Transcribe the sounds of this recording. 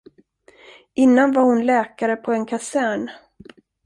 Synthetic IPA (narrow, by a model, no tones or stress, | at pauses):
ʔɪnːanvaɾhʊnlɛːkaɾəpʰɔɛnkʰasæːɳ